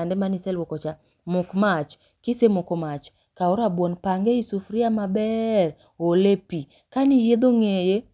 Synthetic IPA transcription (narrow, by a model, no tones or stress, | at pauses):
andɛmanisɛlwɔkɔt͡ʃa | mʊkmat͡ʃ | kisemʊkɔmat͡ʃ | kaoɾabwɔnpaŋɡeisufɾiamabɛr | olepi | kanijed̪oŋeje